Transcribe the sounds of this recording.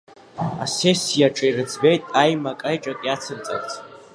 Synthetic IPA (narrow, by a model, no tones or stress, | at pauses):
asesijaʈ͡ʂʼairɨt͡sʰbejtʼajmakʼajʈ͡ʂʼakʼjat͡sʰɨnt͡sʼa̰kʼt͡sʰ